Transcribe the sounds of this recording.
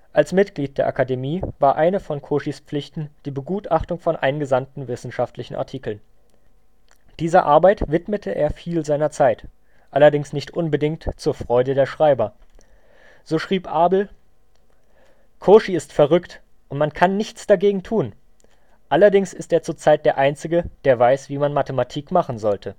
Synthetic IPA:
ʔalsmɪtɡ̥liːt̚d̥eːɐʔa̰kademiːvaːɐʔaɪnəfɔnkʰoːʃispp͡flɪçtn̩d̥iːbəɡuːtaχtʊŋfɔnʔaɪnɡəzantn̩vɪsn̩ʃaftlɪçn̩ʔa̰ɐtʰiːkl̩n | d̥iːzɐʔaɐbaɪtv̥ɪtmətʰəʔḛːɐfiːlzaɪnɐt͡saɪt | ʔalɐdɪŋsnɪçtʔʊnbədɪŋk̚tt͡suːɐfʁ̥ɔʏdədeːɐʃʁ̥aɪbɐ | z̥oːʃʁ̥iːpʔaːbl̩ | kʰoːʃiɪstfɛɐʁʏkt | ʔʊntmankʰanːɪçt͡sd̥aɡeːɡŋ̩tʰuːn | ʔalɐdɪŋsɪstʔeːɐt͡suːɐt͡saɪt̚d̥eːɐʔaɪnt͡sɪɡəd̥eːɐvaɪsv̥iːmanmatəmatʰiːkmaχn̩zɔltʰə

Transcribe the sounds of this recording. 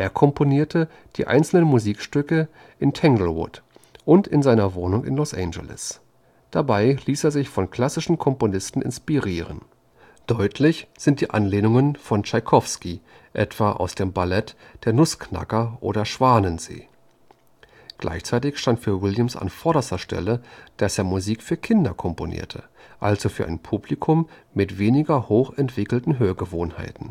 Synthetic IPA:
ʔeːɐkʰɔmpʰoniːɐtʰə | d̥iːʔa̰ɪnt͡sl̩nənmuziːkʃtʏkə | ʔɪntʰɛŋɡl̩wʊ̰t | ʔʊntɪnzaɪnɐvoːnʊŋɪ̰nlɔsʔɛnd͡ʒə̰lɪ̰s | d̥abaɪliːseːɐzɪçfɔnkʰl̥asɪʃn̩kʰɔmponɪstn̩ɪ̰nspiʁiːʁə̰n | d̥ɔʏtʰlɪçz̥ɪntd̥iːʔanleːnʊŋənfɔnt͡ʃaɪkʰɔfski | ʔɛtv̥aːʔa̰ʊsd̥eːmbalɛtd̥eːɐnʊskna̰kɐʔo̰ːɾɐʃv̥aːnənzḛː | ɡ̥lʔa̰ɪçt͡saɪtɪçʃtantfyːɐwɪljəmsa̰nfɔɐɾɐstɐʃtʰɛ̰ləd̥aseːɐmuziːkfyːɐkʰɪndɐkʰɔmponʔḭːɐtʰəʔalzofyːɐʔa̰ɪnpʰublikʰʊmːɪtv̥eːnɪɡɐhoːxɛntv̥ɪkl̩tn̩ɦøːɐɡəvoːnha̰ɪtn̩

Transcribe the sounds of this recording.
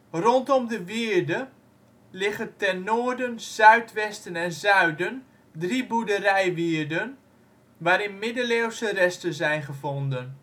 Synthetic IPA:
rɔntɔmdəʋiəɹdə | lɪχəntɛnːoːrdənz̥œɥtʋɛstənɛnzœɥdən | dribudərɛjʋiəɹdən | ʋaːɾɪnmɪdəleːwsərɛstəzɛjnχəvɔndən

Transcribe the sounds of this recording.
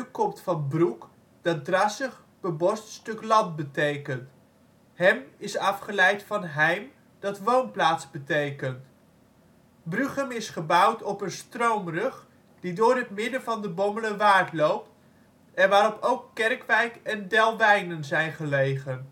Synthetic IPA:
kɔmtfɑnbruk | d̥ɑdrɑsəχ | b̥əbɔststɵklɑnt̚bətejkənt | ɦɛmɪsɑfχəlɛjtfɑnɦɛjm | d̥ɑtʋownplaːtzbətejkənt | bryχəmɪsχəbʌwtɔpənstrowmrɵχ | d̥idʊːɹɦətmɪdəvɑndəbɔmbələʋaːɹtlowp̚t | ɛnʋaːɾɔpʰowkːɛrkʋɛjkɛndɛlˠʋɛjnənzɛjnχəlejχən

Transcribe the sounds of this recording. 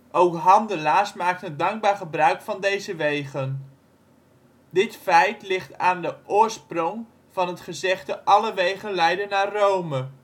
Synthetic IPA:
ʔowkɦɑndəlaːsmaːk̚tədɑŋɡ̚baːɹχəbrœɥkfɑndejzəʋejχən | dɪtfɛjtlɪχtaːndəʔʊːɹsprʊŋ | v̥ɑnɦətχəzɛχtəʔɑləʋejχənlɛjdənaːrowmə

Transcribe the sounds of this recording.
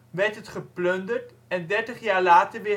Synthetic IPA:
ʋɛɹtɦətχəplɵndəɹt | ɛndɛɹtəχjaːɹlaːtəɹʋɪ

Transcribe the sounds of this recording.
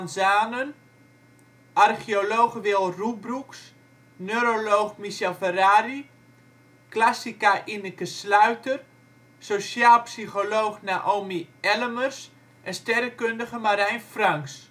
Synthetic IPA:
nzaːnən | arxioloːxʋɪlˠrubruks | nøɾoloːxmiʃɛlˠfəraːri | klasikaʔinəkəslœɥtər | sosjaːlˠpsixoloːxnaʔoːmiɛləmərs | ʔɛnstɛrəkøndəɣəmaɾɛjnfraŋks

